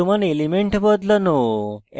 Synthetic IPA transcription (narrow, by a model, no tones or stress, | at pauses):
umanelimeɳʈbəd̪ləno